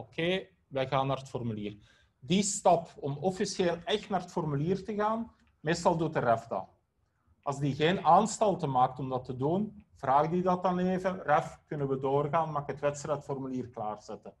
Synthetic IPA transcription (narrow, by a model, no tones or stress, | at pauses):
okʰeː | ʋɛjɣaːnːaːrətfɔrmyliːr | distɑpɔmɔfisjeːlˠɛxtnaːrətfɔrmyliːrtəɣaːn | meːstɑlˠdutərɛfdɑ̰ | ʔɑzdiɣeːnaːnstɑlˠtəmaːk̚tɔmdɑtədunv̥raːɣdidɑt̚ɑneːvərɛfkɵnəʋədoːrɣaːnmaxətʋɛtstrɛtfɔrmyliːrklaːrz̥ɛtə